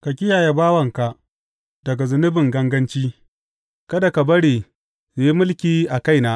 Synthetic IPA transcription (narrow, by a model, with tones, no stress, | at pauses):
kɐ˨kʲɪ˦jaː˨je˦baː˦wɐ˨ŋka˨ʔ | dɐ˨ɡa˨zʊ˨nɪ˦bɪ˨ŋɡɐ˦ŋɡɐ˦nt͡ʃiː˦ | kɐ˦da˨ka˨bɐ˦ɽeː˨ | ze˨ji˦mʊ˦lkʲiː˦ʔa˨ka˦jnaː˦